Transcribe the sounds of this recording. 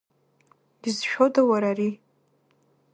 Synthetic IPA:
dizʃᶣodawaɾari

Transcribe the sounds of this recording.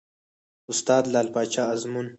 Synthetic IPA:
ʊst̪aːd̪laːlpaːt͡ʃaɐzmun

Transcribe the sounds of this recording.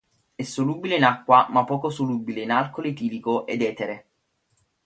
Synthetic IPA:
ɛsːoluːbileinakːwamapːɔːkosoluːbileinalkolet̪iːlikoʔḛd̪ɛːt̪eɾe

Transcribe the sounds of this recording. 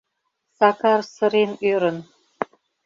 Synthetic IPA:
sɑkɑrsə̆ɾenøɾə̆n

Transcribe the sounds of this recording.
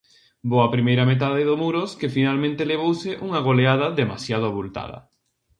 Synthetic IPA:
boɐpɾimejɾɐmet̪̬aðɪðomuɾoskɪfinalmẽnt̪eleβowsɪʔuŋaɣ̞oleaðɐðemasjaðʊβult̪a̰ðɐ̰

